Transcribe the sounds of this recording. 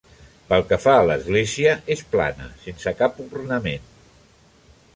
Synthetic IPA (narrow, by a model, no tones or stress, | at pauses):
pəlˠkəfaləzɣleziəʔespla̰nə̰sensəkapurnəmen